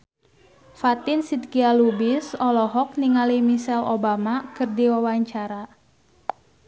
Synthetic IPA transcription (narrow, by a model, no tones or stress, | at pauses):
fat̪ɪnsid̪̚kialubisɔlɔɦɔk̚niŋalimisɛlobamakərdiwawaɲt͡ʃaɾa